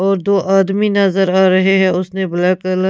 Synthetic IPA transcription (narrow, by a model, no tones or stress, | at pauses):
ɔːɾd̪oːʔaːd̪minɐzəɾaːɾɐɦeɦɛ̃ʊsnebɐlaːkəl